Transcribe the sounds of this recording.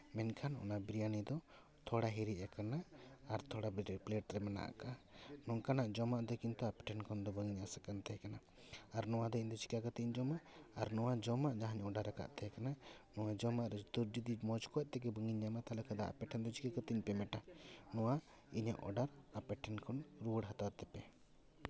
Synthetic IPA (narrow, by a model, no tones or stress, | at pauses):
mɛnkʰanɔ̰nabɾijanid̪ɔ | t̪ʰɔɽaɦiɾiʔakanaːɾt̪ʰɔɽabpleʈɾɛmɛna̰ʔa̰kanɔŋkanaʔd͡ʒɔmaʔd̪ɔkint̪uapɛ̥ʈʰɛnkʰɔnd̪ɔbəŋiɲasakant̪ɛɦɛkanaː | ɾnɔwad̪ɔiɲd̪ɔt͡ʃi̥kakɔt̪iɲd͡ʒɔmaʔːɾnɔwad͡ʒɔmaʔd͡ʒaɦaɲɔɖaɾaka̰ʔt̪ɛɦɛkananɔwad͡ʒɔmaʔɾɛt̪uɾd͡ʒid̪imɔd͡ʒkɔɔʔ̚t̪ɛɡɛbəŋiɲːamat̪alɔkʰad̪aa̰pɛʈʰɛnd̪ɔt͡ʃʰi̥kakət̪iɲpɛmɛʈanɔwa | iɲaʔɔ̰ɖaɾapɛʈʰɛnkʰɔnɾuɽɦat̪aɾt̪ɛpɛ